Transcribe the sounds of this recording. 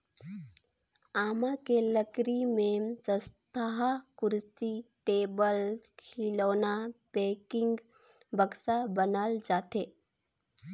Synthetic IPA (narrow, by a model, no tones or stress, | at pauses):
aːmakeləkɾimẽsə̃st̪ʰaɦakʊɾsiʈeːbəlkʰiloːnapeːkɪ̃ŋɡ | bəɡsabənald͡ʒaːt̪eː